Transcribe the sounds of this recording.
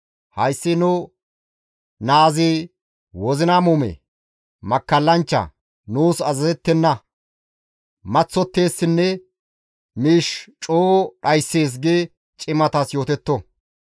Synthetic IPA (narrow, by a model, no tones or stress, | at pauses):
hɐjsːɪnʊ | naːzɪ | wɔzɪnamumɛ̰ | mɐkːɐlːɐnt͡ʃːɐ̰ | nuːsɐzɐzɛt̪ːɛnːɐ | mɐt͡sːɔt̪ːe̞ːsːɪnːɛ | miːʃt͡ʃʼoːɗɐjsːe̞ːs̬ɡeː | t͡ʃʼɪmɐt̪ɐsjo̞ːt̪ɛt̪ːɔ